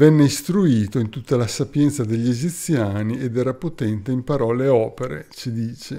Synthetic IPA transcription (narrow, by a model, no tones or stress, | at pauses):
vɛnːeist̪ɾuiːt̪oint̪ut̪ːalasapjɛnt̪sad̪eʎːed͡ʒit̪sːjaːnied̪ɛːɾapot̪ɛnt̪eimpaɾɔːleɔːpeɾḛt͡ʃid̪iːt͡ʃe